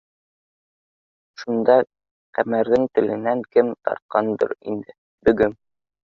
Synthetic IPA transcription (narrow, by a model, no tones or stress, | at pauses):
ʃund̪ɑ | qæmæɾðɘŋt̪ɘ̆lɘ̆næŋkɘmt̪ɑ̰ɾt̪̚qɑnd̪ɤ̰ɾḭnd̪ɘ | bɘ̆ɡɘm